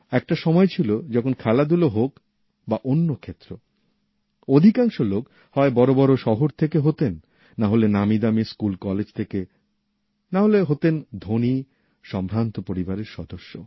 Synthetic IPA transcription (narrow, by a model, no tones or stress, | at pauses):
ɛk̚ʈaʃɔmɔet͡ɕʰilod͡ʑɔkʰonkʰalad̪uloɦok | baʔonːokʰet̪ːɾo | od̪ʱikaŋʃolok | hɔebɔɾobɔɾoʃɔɦoɾt̪ʰekeɦot̪enː | aɦolenamid̪amiskulkɔled͡ʑt̪ʰeke | naɦoleɦot̪end̪ʱoni | ʃɔmbʱɾant̪opoɾibaɾeɾʃɔd̪oʃːo